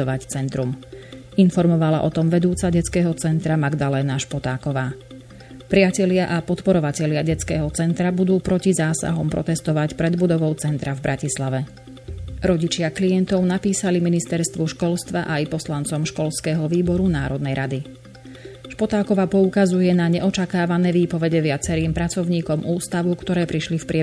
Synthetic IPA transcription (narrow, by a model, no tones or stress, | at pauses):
ɔʋact͡sɛnt̪ɾum | infɔɾmɔʋala̰ʔɔt̪ɔmʋɛd̪uːt͡saɟɛt͡skɛːɦɔt͡sɛnt̪ɾamaɡd̪alɛːnaʃpɔt̪aːkɔʋaː | pɾɪacɛlɪaʔapɔt̪pɔɾɔʋacɛʎɪaɟɛt͡skɛːɦɔt͡sɛnt̪ɾabud̪uːpɾɔcizaːsa̰ɦɔmpɾʔɔ̰t̪ɛst̪ɔʋacpɾɛd̪bud̪ɔʋɔʊt͡sɛnt̪ɾavbɾʔacislaʋɛ | ɾɔɟit͡ʃɪaklijɛnt̪ɔʊnapiːsaliminist̪ɛɾst̪ʋɔʃkɔlst̪ʋaʔajpɔslant͡sɔmʃkɔlskɛɦɔʋiːbɔɾunaːɾɔd̪nɛjɾʔad̪i | ʃpɔt̪aːkɔʋaːpɔukazujɛnaɲɛʔɔt͡ʃakaːʋanɛːʋiːpɔʋɛɟɛʋɪat͡sɛɾiːmpɾat͡sɔʊɲiːkɔmʔuːst̪aʋukt̪ɔɾɛːpɾiʃlifpɾɪɛ